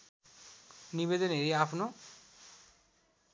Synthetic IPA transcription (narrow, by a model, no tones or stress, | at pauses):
niβed̪ɔneɾiapʰno